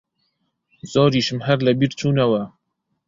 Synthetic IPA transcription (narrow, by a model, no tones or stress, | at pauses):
z̥ɑːɾiːʃɨmɦæɾlɛbiːɾt͡ʃʰuːnɛwæ